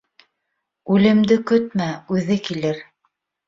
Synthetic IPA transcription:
ʉlɘ̆md̪ɘkɵt̪mæʉðɘkilɘɾ

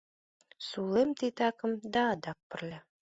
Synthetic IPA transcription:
sulˠɤmt̪it̪ɑkɤ̆md̪ɑd̪ɑp̚pɘ̆rlʲɘ

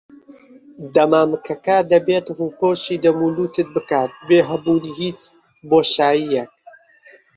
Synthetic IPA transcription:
d̪ɐmaːmɨkʰɐkɐd̪ɐbeːt̪ruːpoʃiːd̪ɐmuluːt̪ɨt̪̚bɨkaːt̪̚beːɦɐbuːnihiːt͡s | boːʃaːjijɛk̚

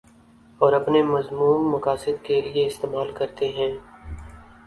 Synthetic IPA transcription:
ɔːɾɐpnemɐzmuːmːɐkaːsɪd̪̚kelieɪst̪eːmaːlkɐɾt̪eɦɛ̃ː

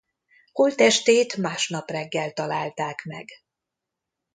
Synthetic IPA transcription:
holt̪ɛʃt̪eːt̪maːʃnɒprɛɡːɛlt̪ɒlaːlt̪aːkmɛ̰ɡ

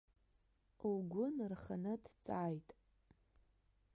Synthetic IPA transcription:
lɡʷʊnrχanɨdt͡sʼaːjtʼ

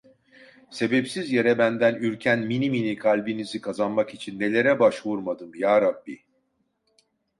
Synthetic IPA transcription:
se̞bepsizje̞ɾɛbænd̪ænyɾcʰænminiminikʰalʲbinizikʰazanmakit͡ʃʰinːe̞lʲe̞ɾɛbaʃvuɾmad̪ɯmjaːɾabːi

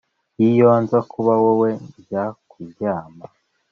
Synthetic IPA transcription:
jijonzakʰuβawowejakʰuɟaːma

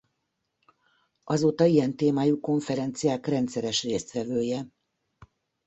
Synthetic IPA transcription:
ʔɒzoːt̪ɒijɛnt̪eːmaːjuko̞ɱfɛɾɛnt̪sijaːkrɛnt̪sɛɾɛʃreːst̪ʋɛvøːjɛ

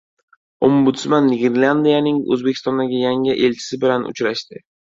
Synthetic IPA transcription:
ombʊt̪smanːɪɡʲeɾland̪ijanɪŋɵ̰zbekʲʰɪst̪ɒnd̪aɡʲɪjaŋɪʔelt͡ʃʰɪ̥sɪbɪlanʊ̰t͡ʃɾaʃt̪ɪ

